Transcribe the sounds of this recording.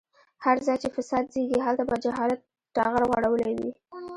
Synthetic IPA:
haɾzɑjt͡ʃefɪsɑd̪ziɡiɦalt̪abɑd͡ʒaɦɑlat̪̚ːɑɣaɾɣwaɽawəlawḭ

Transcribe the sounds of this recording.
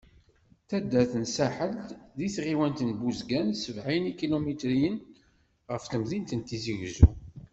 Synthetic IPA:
θæd̪ːæθənsæħəlðiθʁiwænt̪ənbuzɡænsəvʕinikːilomit̪ɾijən | ʁəfθəmðint̪ənt̪iziʝzu

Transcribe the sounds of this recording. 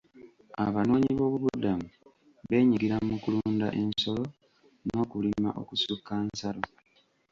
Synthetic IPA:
a̰βano̞ːɲiβo̞ːβuβudamu | βe̞ːɲiɡiɾamukuluːnda̰ʔe̞nso̞lo̞ | no̞ːkulima̰ʔo̞̰kusukːaːnsalo

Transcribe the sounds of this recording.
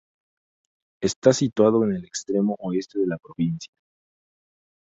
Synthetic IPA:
e̞st̪asit̪wað̞o̞ene̞lekst̪ɾe̞mo̞ʔoe̞st̪e̞ðe̞lapɾo̞βinsja

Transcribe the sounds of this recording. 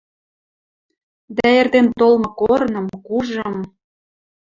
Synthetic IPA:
d̪æĕrt̪ent̪olmɤ̆koɾnɤ̆mkuʒɤ̆m

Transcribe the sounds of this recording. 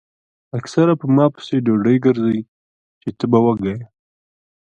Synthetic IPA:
aksaɾapəmɑpə̥seɖoɖəjɡəɾzəj | t͡ʃet̪əbawəɡaja

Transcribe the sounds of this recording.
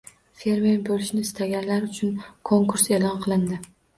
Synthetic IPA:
fe̞ɾme̞ɾbolɪʃnɪɪst̪ʰaɡʲanlaɾʊt͡ʃʰʊnkʰoŋkuɾse̞lˠɒnqʰɨlˠɪnd̪ɪ

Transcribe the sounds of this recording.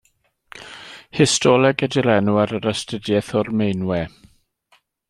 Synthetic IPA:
hɪstʰɔlˠɛɡədɪlɛnuaɾəɾəstədjɛθɔrmejnwɛ

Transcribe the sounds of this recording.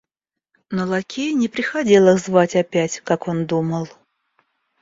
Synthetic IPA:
nolˠakʲʰejnʲɪpɾʲɪxɐdʲe̞lˠəzvatʲɐpʲætʲkako̞nd̪uməlˠ

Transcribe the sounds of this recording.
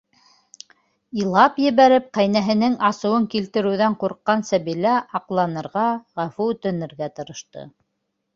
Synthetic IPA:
ilˠɑpjɘ̆βæɾɘp̚qæjnæɦɘ̆nɘŋɑsɤ̆wɤŋkilt̪ɘ̆ɾɘ̆wðæɴquɾqːɑnsæβilæʔɑqlˠɑnɤ̆ɾʁɑʁæfuʉt̪ɘ̆nɘ̆ɾɡæt̪ɤ̆ɾɤ̆ʃt̪ɤ̰

